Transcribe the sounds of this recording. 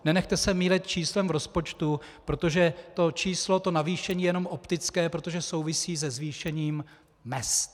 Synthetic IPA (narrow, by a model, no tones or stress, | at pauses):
nɛnɛxt̪ɛsɛmiːlɛt̪̚t͡ʃiːslɛmvɾo̞spo̞t͡ʃt̪u | pɾo̞t̪o̞ʒɛt̪o̞t͡ʃiːslo̞t̪o̞naviːʃɛɲiːjɛno̞mʔopt̪ɪt͡skɛːpɾo̞t̪o̞ʒɛso̞wvɪsiːzɛzviːʃɛɲiːm | mɛst̪